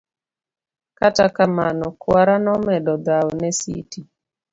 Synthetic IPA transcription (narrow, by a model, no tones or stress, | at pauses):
katakamanɔkwaɾanɔmɛdɔd̪awɔnɛsḭti